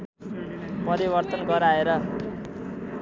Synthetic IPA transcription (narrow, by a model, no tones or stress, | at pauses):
pʌɾibʌrt̪ʌnɡʌɾaeɾʌ